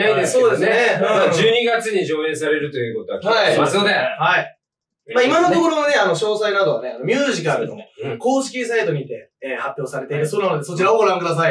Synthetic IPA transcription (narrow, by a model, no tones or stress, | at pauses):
eesoːd̪e̞snead͡ʑɨːɲ̟iɡat͡sɨɲ̟iɕo̞ːẽ̞ːs̬aɾe̞ɾɯ̟t̪o̞jɯ̟ːko̞t̪o̞akamasɨnod̪ehai | maːimanot̪o̞ko̞ɾo̞aneano̞ɕo̞ːsainad̪o̞βa̰ne̞ano̞mʲjɨːʑikaɾɯ̟no̞̰ko̞ːɕi̥kʲis̬ait̪o̞ɲ̟iːt̪e̞eːhapʲjo̞ːsaɾe̞t̪eiɾɯ̟sonanod̪e̞so̞t͡ɕiɾaoɡoɾãŋkɯ̟d̪as̬ai